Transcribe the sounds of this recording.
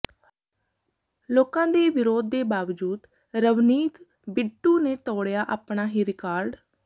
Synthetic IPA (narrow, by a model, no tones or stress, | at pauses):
loːkãːd̪eːʋɪɾoːd̪ːeːbaːʋd͡ʒuːd̪ | ɾəʋniːt̪ | bɪɖuːneːt̪ɔːɽjaːʔaːpɳaːɦiːɾɪkaːɾɖ